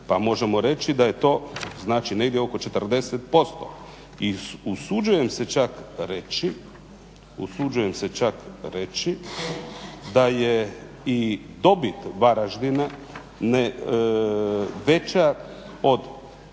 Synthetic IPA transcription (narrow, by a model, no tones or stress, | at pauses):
pamo̞ʒe̞mo̞ɾe̞t͡ʃid̪aje̞t̪o̞ːznaːt͡ʃine̞ɡd̪jeo̞ko̞t͡ʃet̪r̩d̪e̞set̪̚po̞st̪o̰ | iusud͡ʒuje̞mse̞t͡ʃakɾet͡ʃi | ṵsud͡ʒuje̞mse̞t͡ʃakɾe̞t͡ʃi | d̪aje | i | d̪o̞bit̪ʋaɾaʒd̪ina | ne | ʋet͡ʃa | o̞d̪